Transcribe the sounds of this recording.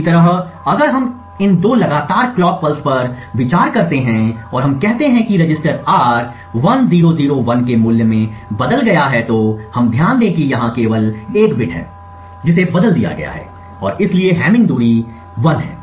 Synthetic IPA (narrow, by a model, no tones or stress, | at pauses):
t̪ɐɾəɦɐɡəɾɦɐm | ɪnd̪oːlɐɡaːt̪aːɾklɔːkpəlspɐɾ | ʋɪt͡ʃaːɾkɐɾt̪eɦɛ̃ɔːɾɦɐ̃mkɛɦt̪eɦɛ̃kiɾɐd͡ʒɪsʈəɾaːɾ | ʋɐnziːɾoziːɾoʋɐnkemuːljəmẽbɐd̪əlɡɐjaɦɛt̪ohɐmd̪ʱjaːnlẽkijɐɦãkeːʋəleːkbɪʈʰɦɛ̰̃ː | d͡ʒɪsebɐd̪əld̪ija̰ɡɐ̰ja̰ɦɛ̰ː | ɔːɾɪslieɦɛːmɪ̃ŋɡd̪uːɾi | ʋɐnɦɛ̰̃ː